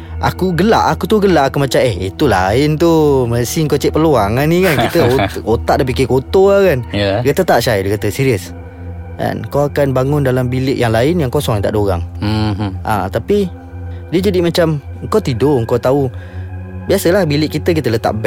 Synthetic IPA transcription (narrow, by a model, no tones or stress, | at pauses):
ʔa̰kuɡəla̰ʔakut̪uɡəlaʔakumat͡ʃamehḭt̪ula̰ɪnt̪uməsiŋkot͡ʃɛʔpərluaŋanːikankkit̪əot̪aʔdapikikot̪oakanjkət̪ət̪aʔʃajdəkət̪əsiɾiəs | ka̰nkawakanbaŋʊndalambilɪʔjaŋlaɪnjaŋkosɔŋjant̪a̰ʔdoɾa̰ŋ | ʔa̰t̪api | diəd͡ʒadimat͡ʃam | ŋkawt̪idoŋkawt̪au | biasəlahbilɪʔkːit̪ək̬it̪ələt̪a̰ʔbɛ